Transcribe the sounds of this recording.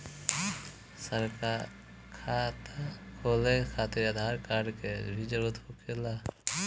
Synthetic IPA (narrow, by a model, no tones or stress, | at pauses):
səɾkaɾ | kʰat̪akʰolekʰat̪eɾad̪ʱaɾkaɖkebʱid͡ʒəɾut̪okela